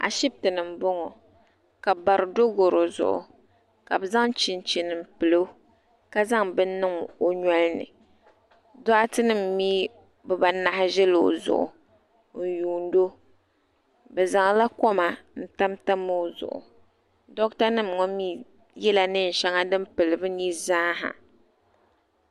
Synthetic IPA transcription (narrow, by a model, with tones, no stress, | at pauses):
a̰˨ʃi˦b̚tɨ˨nɨ˨m̩˨bɔ˦ŋɔ˨ | ka˨ba˨ɾɨ˨do˦ɡo˨ɾo˨zʊ̰˨ʔʊ̰˨ | ka˨bɨ˨za˦ŋt͡ʃi˨n˨t͡ʃi˨nɨ˨m̩˨˦pɨ˨lo˦ | ka˦za˦ŋbɨ˦nːɨ˦ŋo˨ɲɔ˦lnɨ̰˨ | dɔ˦ʔa˦tɨ˦nɨ˦m̩˨mi˦ | bɨ˨ba˨na˨hɪ˦ʒɛ˦lo˨zʊ̰˨ʔʊ̰˨ | n̩˨juː˨n˦do˦ | bɛ˨za˨ŋ˨la˦kɔ˦ma˨n̩˦ta˦mta˦mːo˦˨zʊ̰˨ʔʊ̰˨ | dɔ˦kta˦nɨ˦mŋɔ˦mi˦ | jɛ˦la˨nɨ˦˨n̩˨ʃɛ˦ŋa˦dɨ˦m˦pɨ˨lɨ˨bɨ˦i˦zaː˦ɦa̰˨